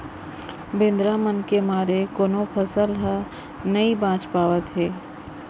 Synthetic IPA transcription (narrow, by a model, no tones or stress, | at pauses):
bɪ̃nd̪ɾamənkemaːɾekoːnopʰəsəlɦə | nɐibãːt͡ʃpaːʋət̪ɦɛː